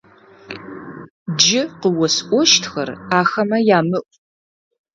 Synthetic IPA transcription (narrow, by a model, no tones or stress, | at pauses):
d͡ʒɪqəwɔsʔʷɔʃtʰxɐ̰raːxɐmɐjaːmɨʔʷʼ